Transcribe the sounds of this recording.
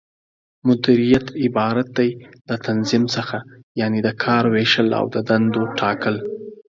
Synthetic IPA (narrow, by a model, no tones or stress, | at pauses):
mʊd̪iɾijat̪ɪbɑɾat̪̚d̪ajlət̪anzɪmsəxajɑned̪əkʰɑɾweʃəla̰wd̪əd̪and̪oʈʰɑkəl